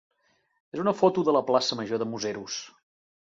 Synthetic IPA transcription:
ezunəfɔt̪uðələplasəməʒoðəmuzɛɾus

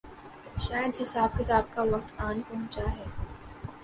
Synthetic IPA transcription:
ʃaːjəd̪ɦɪsaːb̚kɪt̪aːb̚kaʋɐk̚t̪aːnpɐɦʊ̃t͡ʃaɦɛː

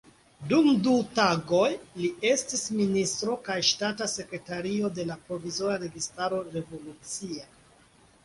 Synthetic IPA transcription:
dumdutaɡo̞jlie̞stisministɾo̞kajʃtatase̞kɾe̞taɾio̞de̞lapɾo̞vizo̞ɾaɾe̞ɡistaɾo̞ɾe̞vo̞lut͡sia

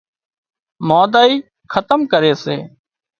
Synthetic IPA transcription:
moːd̪aːiː | kʰət̪əmkəɾeːseː

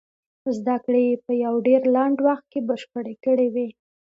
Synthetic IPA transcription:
zd̪akɽejepəjawɖeɾlaɳɖwaxt̪̚kebəʃpəɽekəɽewi

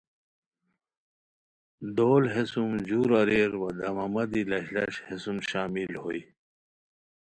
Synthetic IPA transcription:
d̪oːlɦesumd͡ʑuːɾɐɾeɾwɐd̪ɐmɐmɐd̪ilɐɕlɐ̰ɕhesumɕaːmilho̰i

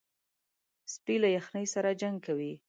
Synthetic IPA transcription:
spilajaxnəjsaɾad͡ʒaŋɡ̚kawi

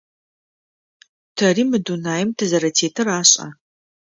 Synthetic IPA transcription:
tʰɐrimɨdunaːjɪmtʰɨzɐɾɐtʰeːtʰɨraːɕʼɐ̰

